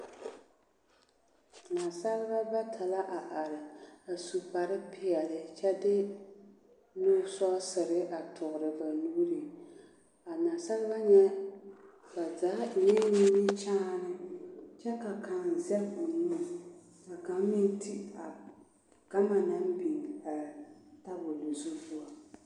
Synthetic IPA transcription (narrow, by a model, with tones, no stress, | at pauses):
naː˨sa˦ɾɪ˦ba˦ba˦tʰa˨la˦ʔa˨ʔa˨ɾɪ˨a˨su˨pa˨ɾɨ˦pɪ˦ɛ˨lɪ˦t͡ʃɛ˦dɪ˦ | nuː˦sɔ˦sɨ˨ɾɪ˦ʔa˨tʰʊ˨ɣʊ˨ɾɨ˨ba˨nuː˦ɾi˨ | a˨naː˨sa˦lɪ˦ba˦ɲɛ˦ | ka˨zaː˨˦˨nɛ˦ni˦nɪ˦t͡ʃaː˦nɨ˦t͡ʃɛ˦ka˨ka˨n˨zɛ˦lo˨nu˦˨ | ka˨ka˨m˦mi˦n˦ti˦a˨ | ɡ̥a˦ma˨na˦m˦bi˨ŋ˨a˨ta˦bʊ˨lo˨zu˦pu˦a˨